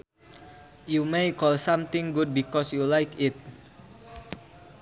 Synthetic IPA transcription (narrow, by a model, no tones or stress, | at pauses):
jumejkɔlsãmt̪ɪ̃ŋɡud̚bikɔsjulajkɪt̪̚